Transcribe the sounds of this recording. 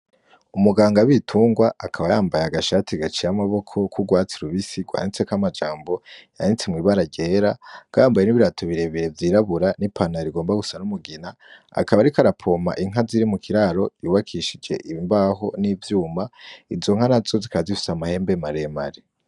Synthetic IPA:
umuɡaːŋɡaβitʰuːŋɡwaʔːkʰaβajaːmbajaaɡaʃatʰiɡat͡ʃijamaβo̞kʰo̞kʰuɡwaːt͡siɾuβisiɡwa̰ːnit͡se̞kamad͡ʒaːmbo̞ja̰nit͡semŋiːβaɾaɟe̞ːɾaɡ̥aːmbaje̞niβiɾatʰoβiɾe̞βiɾe̞vjiːɾaβuɾanipʰanaɾiɡoːmbaɡusanumuɡina | a̰kaβaɾikaɾapʰo̞ma̰ʔiŋ̥ɦaziɾimukʰiɾaːɾo̞juːβakʰiʃid͡ʒe̞̰ʔimbaɦo̞niːvjuːmaizo̞ŋ̥hanazo̞zikazifi̥samahe̞ːmbe̞maɾe̞maɾe

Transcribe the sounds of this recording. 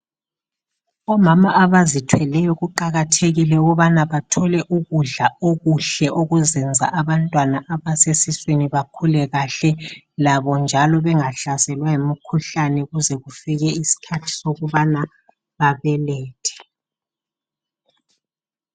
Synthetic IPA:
ɔmamaʔaβazitʰwɛlɛjɔɣuǃaɣatʰeɣilɛuɣuβanaβatʰɔlɛʔuɣuɮaoɣuɬɛʔoɣuzɛnd͡zʱa̰ʔaβantʼwanaʔaβasesisweniβakʰulɛɣaɬɛ | laβɔnd͡ʒʱalɔβɛŋaɬasɛlwajemikʰuɬanɛɣuzɛɣufiɣɛisi̥kʰatʰi̥soɣuβana | βaβɛlɛːtʰɛ̥

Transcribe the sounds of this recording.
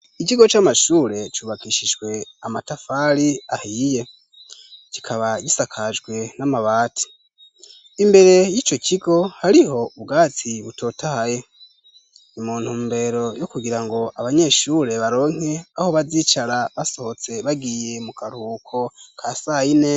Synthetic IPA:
it͡ʃiɡo̞t͡ʃamaʃuːɾe̞t͡ʃuːβakiʃid͡ʒɡwe̞amatafaɾiahiːje̞ | cikʰaβaɟisakʰad͡ʒɡwe̞namaβaːti̥ | imbe̞ɾe̞jiːt͡ʃo̞cʰiɡo̞haɾiɦo̞uβɡaːt͡siβuto̞ːtʰahaje̞ | imuːn̥huːmbe̞ɾo̞jokuɡiɾaŋɡo̞ʔaβaɲe̞ʃuːɾe̞βaɾo̞ːŋ̥e̞aho̞βaziːt͡ʃaɾaβasohot͡se̞βaɡije̞mukaɾuːkʰo̞kʰasaine̞

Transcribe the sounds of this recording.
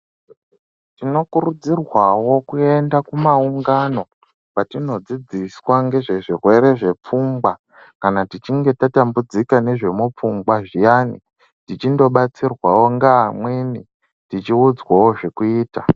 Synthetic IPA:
tino̞kuɾud͡zirwawo̞kue̞ndakumauŋɡano̞ | patino̞d͡zid͡ziswaŋɡe̞ʐe̞ʐirwe̞ɾe̞ʐe̞p͡fumbwa | kanatit͡ʃiŋɡe̞tatambud͡zikane̞ʐe̞mup͡fumbwaʐijani | tit͡ʃindo̞ɓat͡sirwawo̞ŋɡaːmweni | tit͡ʃiud͡zwawo̞ʐe̞kuiːta

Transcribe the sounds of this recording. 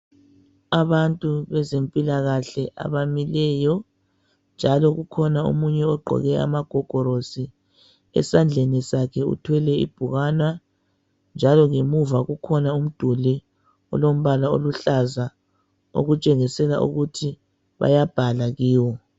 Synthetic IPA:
aβantʼuβɛzempʼilaɣaɬɛʔa̰βamilɛjɔ | nd͡ʒʱalɔɣukʰɔnaṵmuɲɛɔɡ͡ǃʱɔ̰ɣɛa̰maɡ̥ʱɔɡ̥ʱɔɾosi | ɛ̰sand͡ɮʱenisakʰɛṵtʰwɛlɛḭb̥ʱuɣanwa | nd͡ʒʱalɔŋemuvaɣukʰɔnaum̩d̥ʱuli | ɔ̰lom̩βalao̰luɬaza | o̰ɣut͡ʃʼɛɣisɛla̰ʔṵɣutʰi | βa̰jab̥ʱalaɣiːwɔ

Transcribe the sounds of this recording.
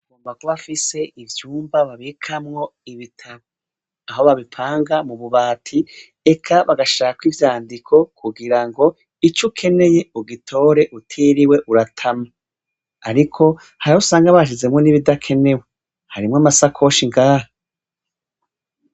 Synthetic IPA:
ɡoːmbakoβafise̞ʔivjuːmbaβaβikʰamŋo̞iβitʰaβo | aɦo̞βaβipʰaːŋɡamuβuβaːtʰi | e̞kʰaβaɡaʃaːkwivjaːndikʰo̞kʰuɡiɾaŋɡo̞ | it͡ʃukʰe̞ne̞je̞uɡitʰo̞ːɾe̞ʔutʰiɾiwe̞ʔuɾatʰama | aɾikʰo̞ | haɾausaːŋɡaβaʃ̬ize̞mŋo̞niβidakʰe̞ne̞we | haɾimŋamasakʰo̞ʃiŋɡaːha

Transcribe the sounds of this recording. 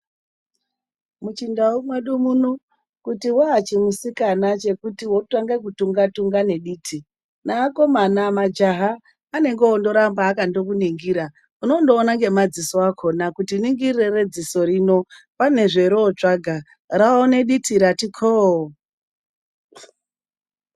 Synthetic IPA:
mut͡ʃindaumwe̞ɗumunu | kutiwaːt͡ʃimusikanat͡ʃe̞kutiwo̞taŋɡekutuŋɡatuŋɡane̞ɗiːtʰi | naːko̞manamad͡ʒaɦaː | ne̞ŋɡeondo̞ɾambaːkando̞k̬uniŋɡiːɾa | uno̞ndo̞ːnaŋɡe̞mad͡ziso̞akʰo̞nakutiniŋɡirrere̞d͡ziso̞ɾino̞pane̞ʐe̞ɾoːt͡ʂaɡʱa | raone̞ɗitʰiɾatikʰo

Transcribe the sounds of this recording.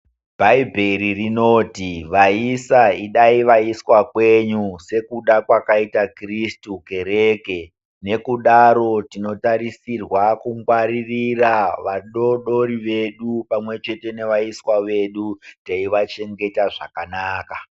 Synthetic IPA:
bʱaibʱeɾirino̞ːtiʋaisaiɗaiʋaiswakwe̞ɲuse̞kuɗakwakaitakristuke̞ɾeke | ne̞kuɗaɾo̞tino̞taɾisirwakuŋɡwaɾiriraʋaɗo̞ɗo̞ɾiʋe̞ɗupamwe̞t͡ʃe̞te̞ne̞ʋaiswaʋe̞ɗutaiʋat͡ʃe̞ŋɡe̞taʐa̰kanaːka

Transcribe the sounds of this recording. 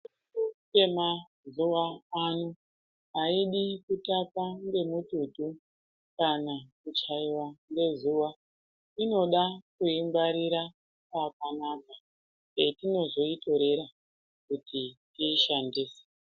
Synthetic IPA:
uke̞ma | zuʋaanu | aiɗikutapanɡe̞mututu | kanakut͡ʃaiwanɡe̞zuʋa | ino̞ɗakuimbaɾiɾa | pakanaːka | etino̞ʐo̞ito̞ɾe̞ɾa | kutʰitiːʃandiːse̥

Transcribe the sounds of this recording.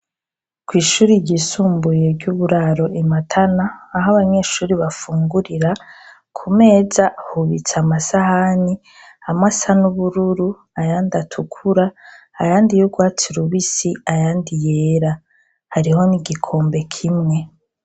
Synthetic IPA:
kwiːʃuːɾiɟisuːmbuje̞ɟuβuɾaɾo̞ʔimatʰanaːɦaβaɲe̞ʃuːɾiβafuːŋɡuɾiɾa | kʰume̞ːzahuβit͡samasahani | amasanuβuɾuɾu | ajaːndatʰukʰuɾa | ajaːndijuɡwaːt͡siɾuβisiajaːndijeːɾa | haɾiho̞niɡikʰo̞ːmbe̞kʰimŋe̞

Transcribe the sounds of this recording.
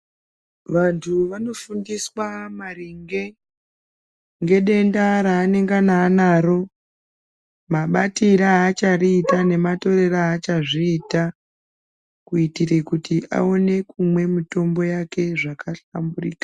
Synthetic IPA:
ʋantʰuʋano̞fundiswamariŋɡe̞ | ŋɡe̞ɗe̞ndaɾaːne̞ŋɡanaːnaːɾo̞ | maɓatiɾaːt͡ʃariːtane̞mato̞re̞raːt͡ʃaʐiːta | kuitirekutʰiʔa̰o̞ne̞kumwe̞mito̞mbo̞jake̞ʐakaɬamburḭːkḁ

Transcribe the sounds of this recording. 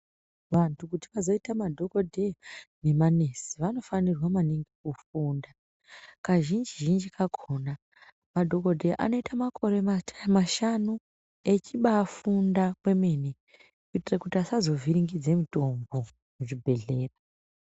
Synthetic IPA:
ʋantʰukutiʋazo̞itamadʱo̞kodʱene̞manesi̥ʋano̞fanirwamaniŋɡekufuːnda | kaʒind͡ʒiʒind͡ʒikaɡʱo̞na | madʱo̞kodʱeʔa̰no̞itamakʰo̞ɾe̞amaʃanu | e̞t͡ʃiɓaːfundakwe̞me̞ne | kuitirakutiasazo̞vʱiɾiŋɡid͡zemito̞mbo̞ | muʐibʱe̞ɮe̞ːra

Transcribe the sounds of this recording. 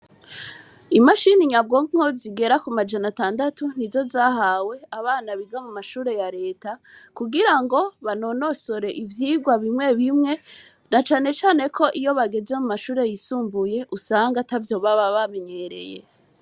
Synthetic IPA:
imaʃiniɲab̚ɡomŋoziɡe̞ɾakumad͡ʒanataːndatun̥izo̞zaːɦawe̞aβaːnaβiɡamumaʃuːɾe̞jaɾe̞ːtakuɡiɾaŋɡo̞βano̞no̞so̞ɾe̞ʔivjiːɡwaβimŋe̞βimŋe̞ | nat͡ʃaːne̞t͡ʃaːne̞kʰo̞ʔijo̞βaɡe̞ze̞mumaʃuːɾe̞jisuːmbuje̞ʔusaːŋɡatavjo̞βaβaβame̞ɲe̞ɾe̞̰je̞̰

